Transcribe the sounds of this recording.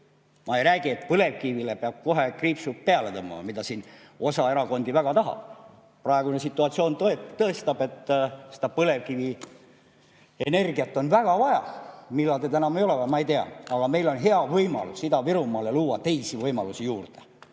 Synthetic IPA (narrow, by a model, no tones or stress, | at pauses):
mɑejɾæːɡ̥iet̪pɤle̞vkivile̞peɑb̥̚ko̞ɦe̞kriːpsut̪̚peɑlet̪ɤmːɑ̰mɑ̰mid̪ɑsiːn | o̞sɑe̞ɾɑko̞nd̪ivæɡ̥ɑt̪ɑɦɑ̰b̥ | prɑeɡunesit̪ːˑuɑt̪sio̞ːnt̪et̪ɤest̪ɑbe̞t̪ːsed̪̥ɑpɤle̞vkivi | ene̞rɡiɑt̪ːˑo̞nvæɡ̥ɑvɑjɑ̰milːɑld̪et̪ænɑmejo̞levɑmɑe̞jt̪eɑ̰ɑɡ̥ɑme̞jlo̞nɦe̞ɑvɤjmɑ̰lusːid̪ɑviɾumɑːleluːwɑt̪e̞jsivɤjmɑlusijuːrt̪e̥